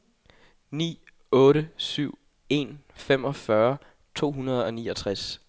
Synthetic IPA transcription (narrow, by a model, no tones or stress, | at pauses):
nḭː | ɔ̽ːɾəsyʊ̰ | e̝nfem̰ɒ̽fɶɐ | t͡sʰo̝̰ːɦunɐð̞̩ˠɒ̽niːɒt͡sʰʁas